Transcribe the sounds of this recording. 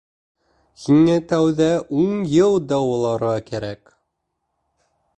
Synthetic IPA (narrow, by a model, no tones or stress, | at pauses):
hiŋæt̪æwðæʔuɴjɤlˠd̪ɑwulˠɑɾʁɑkæɾæk